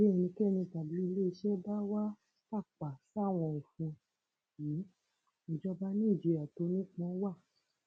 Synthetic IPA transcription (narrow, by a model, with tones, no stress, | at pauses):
e˦˧˨nĩ˧kɛ˦˨˧nĩ˧ka˨bi˨˦i˧le˦˧ʃɛ˦ba˦wa˦ | ka˦˨k͡pa˨sa˦˨w̃ɔ̃˧u˨fũ˧ | ji˨˦ | i˨d͡ʒɔ˧ba˦nĩ˦˨d͡ʒe˧a˨to˧˦nĩ˦k͡pɔ̃˦wa˦˨